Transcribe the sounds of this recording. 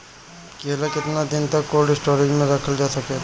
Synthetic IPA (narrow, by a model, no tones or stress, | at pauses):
keːlakɪt̪nad̪ɪnt̪ɐkːoːlɖɪsʈoːɾɪɡmẽɾɐkʰəld͡ʒaːsɐke